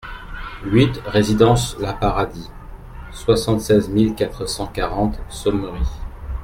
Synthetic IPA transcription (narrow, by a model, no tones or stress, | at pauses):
ɥit̪ʁezid̪ɑ̃slapaʁad̪i | swasɑ̃t̪sɛzmilkat̪χəsɑ̃kaʁɑ̃t̪sɔmʁi